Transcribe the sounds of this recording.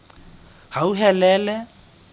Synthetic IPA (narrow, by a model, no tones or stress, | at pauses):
hauɦɛlɛːlɛ